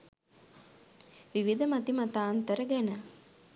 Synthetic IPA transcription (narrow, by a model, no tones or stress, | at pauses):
ʋiʋid̪əmat̪imat̪aːnt̪əɾəɡænə